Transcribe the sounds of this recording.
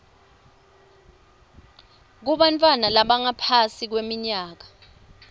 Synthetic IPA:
k̬uɓantʼwanalaɓaŋapʰasik̬wemiɲaːk̬ḁ

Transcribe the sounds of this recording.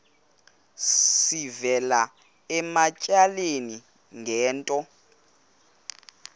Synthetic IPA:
ssivɛla | ɛmacʼaleni | ŋɛːntʼɔ

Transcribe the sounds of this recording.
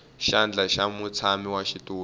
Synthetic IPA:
ʃand͡ɮaʃamut͡sʰamiwaʃituː

